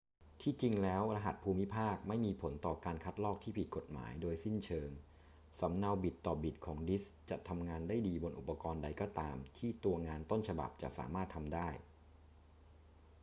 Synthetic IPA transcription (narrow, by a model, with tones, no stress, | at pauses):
t̪ʰiː˥˩t͡ɕi˧ŋlɛː˦˥wɾa˧ɦa̰˨˩t̪̚pʰuː˧mi˦˥pʰaː˥˩k̚ma˥˩jmiː˧pʰo˩˦nt̪ɔː˨˩kaː˧nkʰa˦˥t̪̚lɔː˥˩k̚t̪ʰiː˥˩pʰi˨˩t̪̚ko˨˩t̪̚ma̰ː˩˦jdoː˧jsi˥˩nt͡ɕʰɤː˧ŋ | sa˩˦mna˧wbi˨˩t̪ːɔː˨˩bi˨˩t̪̚kʰɔː˩˦ŋdi˦˥st͡ɕa̰˨˩t̪ʰa˧mŋaː˧ndaː˥˩jdiː˧bo˧nʔṵ˨˩pːa˧kɔː˧nda˧jkɔː˧˥˩t̪aː˧mt̪ʰiː˥˩t̪u˧ɐŋaː˧nt̪o˥˩nt͡ɕʰa˧ba̰˨˩p̚t͡ɕa̰˨˩ʔsa̰ː˩˦maː˥˩t̪ʰːa˧mdaː˥˩j